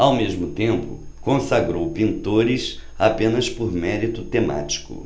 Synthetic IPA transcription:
awmeʒmʊt̪ẽmpʊ̰kõsaɡɾowpĩnt̪oɾisapẽnɐspoɾmɛɾit̪ʊt̪ema̰t͡ʃi̥kʊ̰

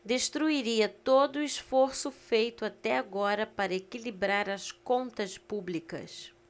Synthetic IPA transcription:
d̪eʃt̪ɾuiɾiɐt̪od̪ʊːisfoɾsʊfejt̪ʊat̪ɛaɡɔɾɐpaɾɐekilibɾaɾɐskõnt̪ɐspublikɐ̰s

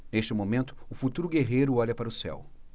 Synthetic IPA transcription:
nest͡ʃɪmõmẽnt̪ʊ̥ʊfut̪uɾʊɡeɦejɾʊɔʎɐpaɾɐʊsɛ̰w

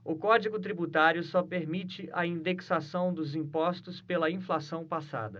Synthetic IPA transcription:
ʊkɔd͡ʒiɡʊt̪̬ɾibut̪aɾjʊsɔpeɾmit͡ʃɪʔɐĩd̪eksasɐ̃w̃d̪ʊzĩpɔst̪ʊspelɐĩflasɐ̃w̃pasa̰d̪ɐ

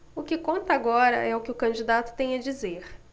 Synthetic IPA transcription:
ʊkɪkõnt̪ɐaɡɔɾɐ̰ʔɛʊkɪʊkɐ̃d͡ʒid̪at̪ʊ̥t̪ẽj̃ɐd͡ʒizeɾ

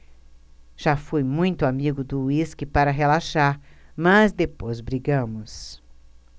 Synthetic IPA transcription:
ʒ̥afujmũj̃t̪ʊamiɡʊd̪ʊiskɪpaɾɐɦelaʃaɾmɐzd̪epojzbɾiɡɐ̃mʊs

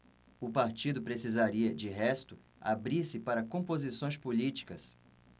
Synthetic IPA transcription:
ʊpaɾt͡ʃid̪ʊpɾesizaɾiɐd͡ʒɪɦɛst̪ʊ | a̰bɾiɾsɪpaɾɐkõpozisõj̃spolit͡ʃi̥kɐs

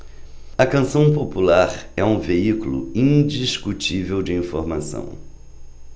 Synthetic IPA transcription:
ɐkɐ̃sɐ̃w̃populaɾɛũveikulʊ̰ĩd͡ʒiskut͡ʃivewd͡ʒɪĩfoɾmasɐ̰̃w̃

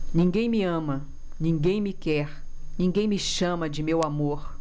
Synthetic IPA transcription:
nĩŋɡẽj̃mɪɐ̃mɐ | nĩɡẽj̃mɪkɛɾnĩŋɡẽj̃mɪʃɐ̃mɐd͡ʒɪmewamoɾ

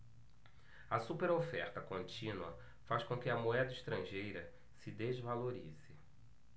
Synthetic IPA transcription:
ɐsupeɾofɛɾt̪ɐkõnt͡ʃĩnuɐ̰ | faskõkɪɐmoɛd̪ɐiʃt̪ɾɐ̃ʒejɾɐ | sɪd̪ezvaloɾizɪ

